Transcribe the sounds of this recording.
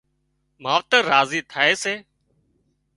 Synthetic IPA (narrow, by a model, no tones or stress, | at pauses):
maːʋt̪əɾaːziːt̪ʰaːeːseː